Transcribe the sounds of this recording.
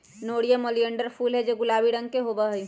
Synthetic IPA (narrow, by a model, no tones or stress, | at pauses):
noːɽijəmoliəɳɖəɾpʰuːlɦɛd͡ʒeɡʊlaːbiɽə̃ŋɡkeɦobəɦoi